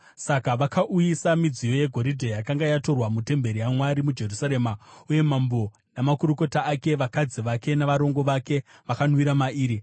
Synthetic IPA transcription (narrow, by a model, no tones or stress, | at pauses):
sakaʋakaʔujisamid͡zijo̞je̞ɡʱo̞ɾidʱejakaŋɡajato̞rwamute̞mbe̞ɾijamwaɾimud͡ʒe̞rusaɾe̞ːmauje̞mambo | namakuɾuko̞taːke̞ʋakad͡ziʋake̞naʋaɾo̞ŋɡo̞ʋake̞ʋakanwiɾamaʔiːɾi